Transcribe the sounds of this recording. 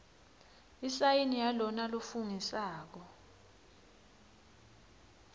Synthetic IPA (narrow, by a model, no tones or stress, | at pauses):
isajinijalɔnalufuŋisaːk̬ɔ